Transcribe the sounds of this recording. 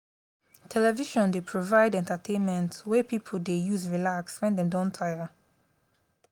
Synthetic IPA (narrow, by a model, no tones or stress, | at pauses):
tʰɛlɛviʃɔ̃ndepʰɹovaɪdɛ̃ntətʰẽnmɛ̃ntwɛpipʰəldejuzɹilakswɛ̃ndɛ̃mdɔ̃ntʰajə